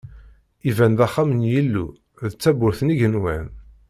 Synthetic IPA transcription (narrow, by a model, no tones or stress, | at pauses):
ivænðæχːamənjilːṵ | ðt͡sːæbʊɾθəniʝənwæn